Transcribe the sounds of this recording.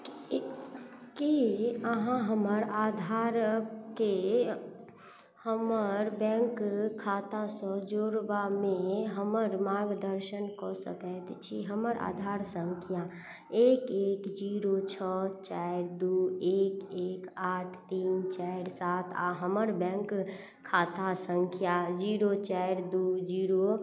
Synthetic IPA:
kiəɦãɦəməɾaːd̪ʱaɾke | həməɾbɛ̃ŋkkʰːaːt̪ãsɔ̃d͡ʒoːɾbamẽɦəməɾmaɾɡd̪əɾʃənkɔsə̰kəjt̪t͡ʃʰiɦəməɾʔa̰ːd̪ʱaːɾsəŋkʰija | eːkeːkd͡ʒiɾot͡ʃʰɔt͡ʃaɾd̪ueːkeːkaːʈʰt̪iːnt͡ʃaɾsaːt̪ʰa̰ɦəməɾbɛ̃ːŋkʰː | aːt̪asə̃ŋkʰjad͡ʒiːɾot͡ʃaɾd̪ud͡ʒiːɾo

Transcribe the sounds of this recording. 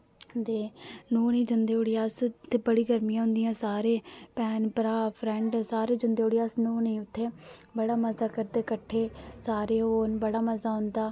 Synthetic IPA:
d̪eːnuːniːd͡ʒənd̪eːoːɽɪjaːst̪ʰːeːbəɽiːɡəɾmijãːɦʊ̃nd̪ijãːsaːɾeːpɛːnpəɾaːpʰɾɛ̃ɳɖsaːɾeːd͡ʒənd̪eːoːɽɪjaːsnuːnĩːʊt̪ʰːeː | bəɽaːməzaːkəɾd̪eːkəʈʰːeːsaːɾeːɦoːnbəɽaːməzaːɦʊ̃nd̪aː

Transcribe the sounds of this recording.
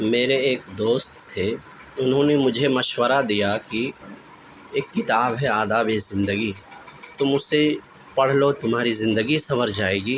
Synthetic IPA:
meːɾeeːk̚d̪oːst̪ʰːe | ʊnɦõːnemʊd͡ʒʱemɐʃwəɾad̪ijaki | eːkːɪt̪aːbɦɛaːd̪aːbeːzɪ̃nd̪əɡiːt̪ʊmʊse | pɐɽ̤lot̪ʊmɦaːɾizɪ̃nd̪əɡisɐməɾd͡ʒaːeːɡiː

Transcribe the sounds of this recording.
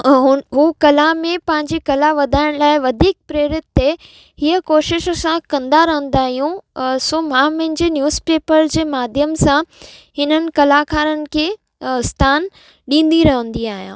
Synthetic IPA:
ɦʊɦukɐlamẽpɐ̃ɦɪ̃ɲd͡ʑikɐlaʋɐd̪ʱaːɪɽ̃laːɪʋɐd̪ʱiːk̚pɾeːɾɪt̪̚ːe | hiəkoːʃɪʃsãkɐ̃nd̪aɾɐɦə̃n̆d̪aːɦijũsoːmãːmɐ̃ɦɪ̃ɲd͡ʑenjuːzpeːpəɾd͡ʑeːmaːd̪ʱjəmsãhɪnənɪ̆kɐlakʰaːɾənɪ̆kʰeː | st̪ʰaːn | ɗĩːn̆d̪iɾɐɦə̃nd̪iaːɦijã̰ː

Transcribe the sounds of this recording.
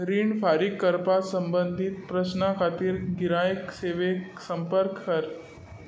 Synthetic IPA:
ɾiːɳɖfaɾikːəɾpat̪səmbənd̪ʱit̪̚pɾəɕnakʰat̪iːɾɡiɾajkseʋeksəmpəɾkːəɾ

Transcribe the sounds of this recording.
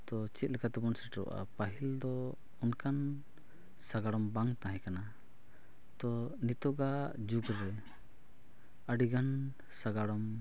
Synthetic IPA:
t̪ɔt͡ʃɛt̪̚ˀlɛkat̪ɛbɔnsɛʈɾɔ̰ʔa̰paɦild̪ɔ | ɔnkan | saɡaɽɔmbaŋt̪ãɦɛ̃kana | t̪ɔnit̪ɔɡad͡ʒuɡɾɛ | əɖiɡan | saɡaɽɔm

